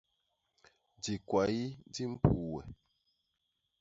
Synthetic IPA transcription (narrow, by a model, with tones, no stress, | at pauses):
di˨kwa˨i˦di˦m̩˦pu˨wɛ̰˨